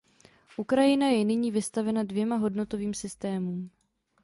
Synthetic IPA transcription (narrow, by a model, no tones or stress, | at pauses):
ʔukɾajɪnajɛnɪɲiːvɪst̪avɛnadvjɛmaɦo̞dno̞t̪o̞viːmsɪst̪ɛːmuːm